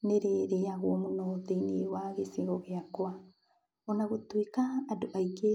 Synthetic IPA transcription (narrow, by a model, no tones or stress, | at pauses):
neɾeɾeaɣwɔmonoteiniewaɣesiɣɔɣeakwa | ɔnaɣotwekaːdoʔaike